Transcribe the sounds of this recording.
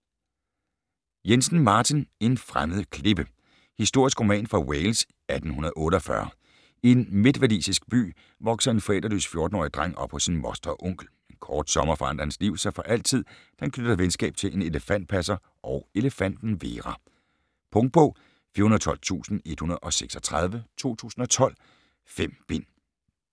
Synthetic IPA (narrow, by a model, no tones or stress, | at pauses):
jensn̩mɑ̈ːt͡sʰine̝nfʁaməð̞̩ˠkʰle̝b̥ə | hisd̥o̝ɐ̰isɡ̥ʁo̝mɛ̰ːnfʁɑ̈weɪls | æd̥n̩hunɐðˠɔ̽ːɾəɒ̽fɶ̰ɐ | enme̝d̥ʋædḭːsisɡ̥̚b̥y̰ː | ʋɒ̽ɡ̥sɐe̝nfɒel̰d̥ʁɐly̰sfjo̝ɐd̥n̩ɒ̰ːid̥ʁaŋ̰ɒ̽b̥fɒ̽sinmɒsd̥ɐʔɔ̽ŋ̰ɡ̥l̩ | enkʰɒːd̥sɒ̽mɐfɒ̽ɑ̈n̰d̥ʁɐhensliʊ̰sɑɪfɒ̽ʔæl̰t͡sʰið̰ˠd̥ænkʰnød̥ɐʋensɡ̥ɛ̰ːb̥̚t͡sʰe̝lʔe̝ne̝ləfæn̰d̥̚pʰæsɐ | ʔɒʊe̝ləfæn̰d̥n̩ʋe̝ːʁɑ | pʰɔ̽ŋd̥̚b̥ɔʊ̰ | fiːɐhunð̩ˠt͡sʰɒ̽l̰t͡sʰṵːsn̩e̝d̥hunɐð̩ˠɒ̽seɡ̥sɒt͡sʰʁɑð̞ˠʋət͡sʰo̝̰ːt͡sʰṵːsn̩ɒ̽t͡sʰɒ̽l̰ | fem̰b̥e̝n̰